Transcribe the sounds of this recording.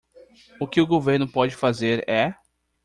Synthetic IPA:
ʊkɪʊɡoveɾnʊpɔd͡ʒɪfazeɾɛ

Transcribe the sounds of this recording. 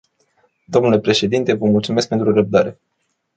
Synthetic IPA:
d̪o̞mnule̞pɾe̞ʃe̞d̪int̪e̞vəmult̪sumesk̚pe̞nt̪ɾurəb̚d̪aɾe̞

